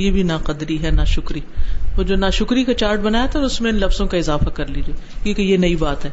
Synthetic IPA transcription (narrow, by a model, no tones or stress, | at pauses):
jebʱinaːqɐd̪ɾiɦɛnaːʃʊkɾioːd͡ʒoːnaːʃʊkɾikat͡ʃaːɾʈ̚bɐnaːjat̪ʰaʊsmẽɪnlɐfzõkaɪzaːfakɐɾliːd͡ʒikjĩːkejenɐibaːt̪ɦɛː